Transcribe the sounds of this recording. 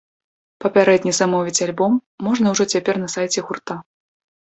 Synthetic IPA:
pɐpʲaɾɛd̪ʲnʲizamɔvʲit͡sʲalʲbɔmːɔʐnɐwʐɔt͡sʲapʲɛrnɐsajt͡sʲɛɣurt̪a

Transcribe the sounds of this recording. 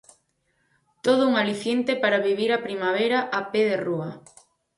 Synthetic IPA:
t̪oð̞ʊuŋaliθjent̪epaɾaβiβiɾapɾimaβ̞eɾaʔapeðeruɐ

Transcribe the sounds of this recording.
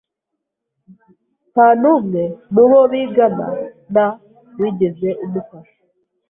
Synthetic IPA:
panumŋemuβoβiɡama̰ | na | βwiːɟezeʔumukaʃo̥

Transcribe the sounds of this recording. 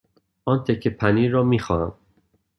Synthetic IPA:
ɒːnt̪ʰecʰːepʰæniːɾɒːmiːxɒːnæm

